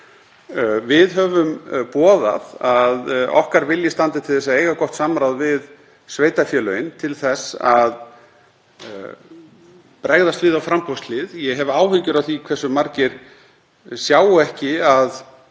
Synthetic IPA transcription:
vɪðɦœvʏmpɔːða̰ðaðɔ̰hkaɾvɪljɪst̪ant̪ɪt̪ʰɪlθɛs̬ːaeːjɣakɔht̪saːmɾawðvɪð | sveːjt̪afjœːlœjɪnt̪ʰɪlθɛsːað | pɾɛɣðast̪vɪðawfɾampɔst̪lɪðjɛɦɛvʏaːwɦʏɲcʏɾawθikʰvɛsːʏmaɾcɪɾ̥ | sjaːwɛhcɪað

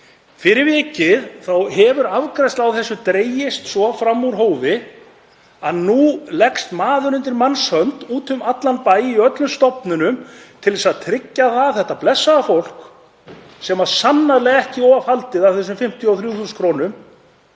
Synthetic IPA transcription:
fɪɾɪɾvɪːcɪðθawɦɛvʏɾavkɾajst̪lawθɛsːʏt̪ɾeːjɪst̪sɔfɾamːuɾɦoːwvɪ | aðnulɛkst̪maːðʏɾʏnt̪ɪɾmanshœnt̪uːt̪ʏmat̪lanpaːjɪiœt̪lʏmst̪ɔpnʏnʏmt̪ʰɪlðsaðt̪ʰɾɪcːaθaθɛht̪aplɛsːaafowl̥k | sɛmaðsanːaðlɛɣɛhcɪɔavhalt̪ɪðavθɛs̬ʏmfɪm̥t̪ʰjɔɔwθɾjuθuːskʰɾoːnʏm

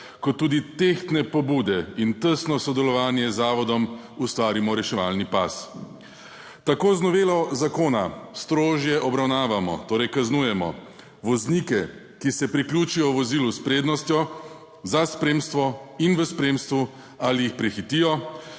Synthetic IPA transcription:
kɔt̪ːuːd̪it̪ext̪nɛpɔbuːd̪ɛint̪əsnɔsɔd̪ɛlɔʋaːnjɛzaːʋɔd̪ɔm | ust̪ʋaːɾimɔɾɛʃɛʋalnipa̰s | t̪akoːznɔʋeːlɔzakoːnast̪ɾoːʒjɛʔɔbɾawnaːʋamɔ̰t̪oːɾɛjkaznuːjɛmɔ̰ | ʋɔznikɛ | kisɛpɾiklʲjuːt͡ʃijɔʋɔziːluspɾeːd̪nɔst̪jɔ | zaspɾeːmst̪ʋɔinʋəspɾeːmst̪ʋu | alijixpɾɛxit̪ijɔ

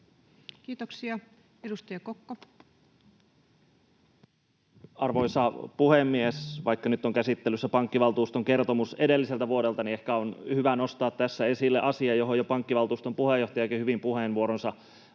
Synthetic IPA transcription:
kiːt̪oksiɑ | edust̪ɑjɑkokːo | ɑrʋo̞jsɑpuhemːiesʋɑjkːɑnyt̪ːoŋkæsit̪ːelːˑysːæpɑŋkːiʋɑlt̪uːst̪o̞ŋke̞rt̪o̞muse̞de̞lːiselt̪æʋuode̞lt̪ɑniehkæonhyʋæno̞st̪ɑːt̪t̪ːæsːæe̞silːeʔɑsiɑjo̞ɦo̞jopɑŋkːiʋɑlt̪uːst̪ompuhejːoht̪ɑjɑekæhyʋimpuhenʋuoɾonsɑ

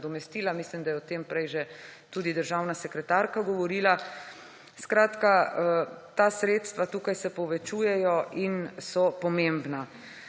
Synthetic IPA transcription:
d̪ɔmɛst̪iːlamislimd̪ajɛɔt̪empɾɛjʒɛt̪uːd̪id̪əɾʒawnasɛkɾɛt̪aːɾkaɡɔʋɔɾiːla | skɾaːt̪ka | t̪aːsɾeːt̪st̪ʋat̪uːkajsɛpɔʋɛt͡ʃuːjɛjɔinsɔpɔmembna

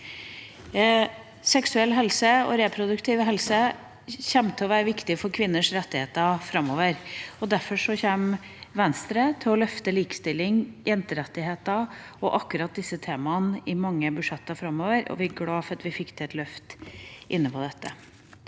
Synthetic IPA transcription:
sɛksʉɛlːɦɛlsəɔ̰ɾeːpʰɾʊd̪ʉkt̪ʰɪʋɦɛlsə | çɛmt̪ʰɔʋæːɾəʋɪkt̪ɪfɔɾkʰʋɪnːəʂɾɛt̪ːɪheːt̪ɑfɾɑmːoːʋəɾɔd̪æɾfɔʂɔçeːm | ʋɛnst̪ɾət̪ʰɪlɔlœft̪əliːkə̥st̪ɪlːɪŋjɛnt̪əɾɛt̪ːɪheːt̪ɑ | ɔʔɑkːʉɾɑt̪̚d̪ɪsːət̪ʰeːmɑnɪmɑŋːəbʉʂɛt̪ːɑfɾɑmːoːʋəɾʔɔ̰ʋɪɡɽɑːfɑt̪ʋɪfɪkːt̪ʰɛɛt̪lœft̪ʔɪnːəpʰɔd̪ɛt̪ːə

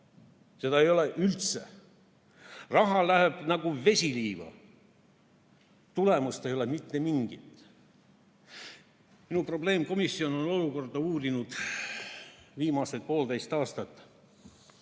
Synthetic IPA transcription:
se̞d̪ɑejo̞leʔylt̪se̞̰ | rɑɦɑlæheb̥nɑɡuve̞sʲiliːʋɑ̰ | t̪ule̞must̪e̞jo̞lemit̪ːe̞miŋɡ̥it̪ˑ | minupro̞ble̞ːmko̞misːio̞no̞no̞luko̞rd̪̥ɑuːrinud̪̥ | viːmɑset̪̚po̞ːld̪e̞jst̪ɑːst̪ɑt̪ːˑ

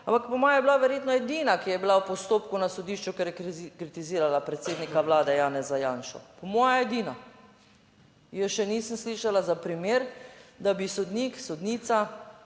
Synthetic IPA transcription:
ampakpɔmɔːjajɛbilaʋɛɾjeːt̪nɔɛd̪iːnakijɛbilawpɔst̪oːpkunasɔd̪iːʃt͡ʃukɛɾjɛkɾit̪iziːɾalapɾɛt̪seːd̪nikaʋlaːd̪ɛjaːnɛzajaːnʃɔ̰pɔmɔːjaed̪ina | jəʃɛniːsənsliːʃalazapɾimeːɾd̪abisɔd̪niksɔd̪niːt̪sa

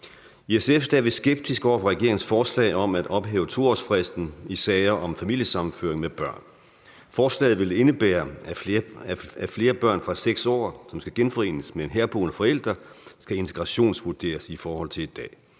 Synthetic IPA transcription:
iesefd̥æʋe̝sɡ̥eb̥̚d̥ʰisɡ̥ɒ̰ːfʁɑ̈ʁɛɡ̥e̝ɐ̰eŋn̩sfɒːslɛ̰ːɪɒ̽mæd̥ɒ̽b̥ɦɛ̰ːʊt͡sʰo̝ːɒ̰sfʁɛsd̥n̩isɛːɪɐʔɒ̽mfæmil̰jəsɑ̈mn̩føɐeŋmeb̥ɶɐ̰n | fɒːslɛ̰ːð̩ˠʋe̝le̝nəb̥æːɐæ | æfle̝ːɐb̥ɶɐ̰nfʁɑ̈seɡ̥sɒ̰ːsɒ̽msɡ̥æɡ̥enfɒ̽e̝̰ːnəsmeenɦæɐb̥o̝̰ːnəfɒ̽el̰d̥ʁɐsɡ̥æe̝nt͡sʰe̝̥ɡ̥ʁɑ̈ɕo̝̰ːnsʋuɐd̥e̝̰ːɐsifɒːhɒ̽l̰t͡sʰe̝le̝d̥d̥ɛ̰ː

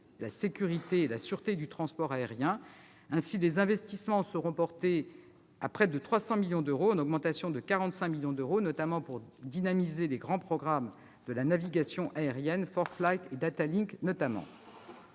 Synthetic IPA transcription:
lasekʲyʁit̪eːlasyʁt̪ed̪yt̪χɑ̃spɔʁaeʁjɛ̃ | ɛ̃silezɛ̃vɛst̪ismɑ̃səʁɔ̃pɔʁt̪e | apχɛd̪ət̪χwasɑ̃miljɔ̃d̪øʁoɑ̃nɔɡmɑ̃t̪asjɔ̃d̪əkaʁɑ̃t̪sɛ̃miljɔ̃d̪øʁonɔt̪amɑ̃puʁd̪inamizeleɡʁɑ̃pχɔɡʁam | d̪əlanaviɡasjɔ̃ʔaeʁjɛnfɔʁflajt̪ed̪at̪aliknɔt̪amɑ̰̃

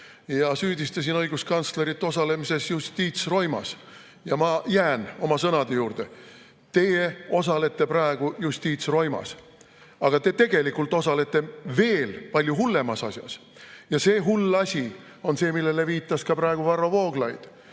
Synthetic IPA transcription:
jɑsyːd̪ʲist̪ɑsʲinɤjɡ̥uskɑnt̪sle̞ɾit̪ːo̞sɑle̞mise̞sjust̪iːt̪sro̞jmɑ̰s | jɑmɑjæːno̞mɑsɤnɑd̪̥e̞juːɾd̪e̞ | t̪e̞jeo̞sɑle̞t̪ːe̞pɾɑeɡ̥ujust̪iːt̪sro̞jmɑ̰s | ɑɡ̥ɑt̪e̞t̪e̞ɡ̥e̞likːˑult̪ːˑo̞sɑle̞t̪ˑːe̞ve̞ːlpɑlʲjuɦulːe̞mɑsɑsʲjɑ̰s | jɑse̞ːɦulːɑsʲi | o̞nse̞ːmilːe̞le̞viːt̪ˑːɑskɑpɾɑeɡ̥uvɑro̞vo̞ːɡlɑjd̪̥

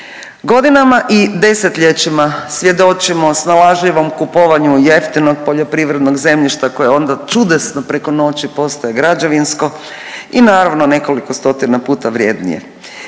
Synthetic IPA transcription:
ɡo̞d̪inamaʔid̪e̞se̞t̪ʎet͡ɕimasʋje̞d̪o̞t͡ʃimo̞snalaʒʎiʋo̞mkupoʋaɲujeft̪inoɡpo̞ʎo̞pɾiʋɾe̞d̪no̞ɡze̞mʎiʃt̪ako̞jeo̞nd̪at͡ʃud̪esnopɾe̞ko̞no̞ːt͡ɕipo̞st̪ojeɡɾad͡ʑaʋinsko̞ | inaːɾaʋnone̞ko̞likost̪o̞t̪inapuːt̪aʋɾjeːd̪nḭjḛ

